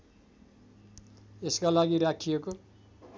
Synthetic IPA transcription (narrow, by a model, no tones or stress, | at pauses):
eskalaɡiɾakʰijeko